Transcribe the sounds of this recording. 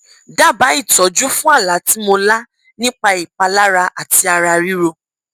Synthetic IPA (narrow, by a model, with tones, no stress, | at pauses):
da˦˨ba˨˦i˦˨tɔ˨˦d͡ʒu˦fũ˦a˦˨la˨˦ti˦mo˧la˦ | nĩ˦k͡pa˧i˨k͡pa˧la˦ɾa˧ʔa˨ti˧a˧ɾa˧ɾi˦ɾo˧